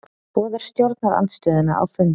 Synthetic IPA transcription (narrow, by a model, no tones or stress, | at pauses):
pɔːðaɾ̥st̪jowɾt̪naɾa̰nt̪st̪œːðɪnaʔa̰wfʏn